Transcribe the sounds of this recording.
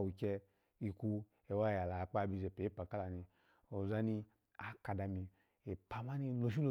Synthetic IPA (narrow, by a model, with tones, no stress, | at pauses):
wu˨kʲɛ˧ | i˧ku˧ | e˨wa˦ja˨la˨k͡pa˦˧˨bi˧ze˨pe˨˦i˦pa˨ka˦la˨ni˧ | o˨za˧˦ni˧ | a˨ka˧da˧mi˧ | e˨pa˧ma˦ni˧lo˧˨ʃ̬i˦lo˧